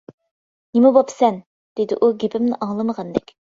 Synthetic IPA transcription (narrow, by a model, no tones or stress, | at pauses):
nɪmɪbopsɛn | d̪̥ed̪ɪ̰ʔuɡʲepʰɪmnɪʔɑŋlˠɨməʁɑnd̪ɛ̰kʲ